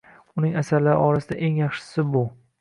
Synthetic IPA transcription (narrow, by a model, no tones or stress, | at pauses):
ʊnɪŋasaɾlaɾɪ̰ɒɾasɪd̪a̰ʔe̞ŋjɑχʃɪ̥sɪbʊ